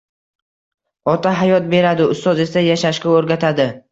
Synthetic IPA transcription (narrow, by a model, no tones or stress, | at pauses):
ɒt̪ʰaɦajɒt̪̚be̞ɾad̪ɪʊst̪ɒze̞sajaʃaʃkʲaoɾɡʲat̪ʰad̪ɪ